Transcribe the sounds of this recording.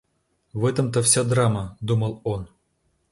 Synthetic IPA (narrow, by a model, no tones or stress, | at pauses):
vɛt̪əmt̪əfsʲad̪raməd̪uməlˠon